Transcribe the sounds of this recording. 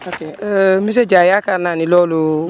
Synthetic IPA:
okemis̬ed͡ʒajakananilɔlo

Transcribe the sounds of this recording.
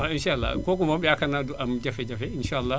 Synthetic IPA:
aɪ̃nʃaʔalːa̰koːk̬ʊmaɓɪjakɐnadʔamd͡ʒɐfed͡ʒɐfeʔɪnʃaʔalːa

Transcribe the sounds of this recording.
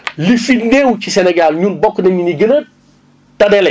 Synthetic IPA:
lifinewcisɛnɛɡalɲunbɔkːnɐɲiniɡənɐr | tɐdɛlɛ

